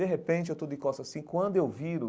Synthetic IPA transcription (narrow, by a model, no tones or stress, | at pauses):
eɦepẽnt͡ʃɪewt̪od̪ʊɪkɔst̪asĩkwɐ̃nd̪ʊewviɾʊ